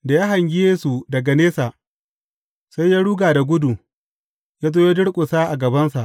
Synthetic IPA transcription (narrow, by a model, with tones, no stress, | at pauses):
da˨jaː˦ɦa˨ŋɡʲɪ˦jeː˦su˨dɐ˨ɡa˨neː˦sa˨ʔ | sa˦jːaː˦ɽuː˦ɡaː˨da˨ɡʷʊ˦du˨ | jaː˦zoː˦jo˦dɪ˦ɽkʷʼʊ˨sa˦ʔa˨ɡɐ˨bɐ˦nsa˨ʔ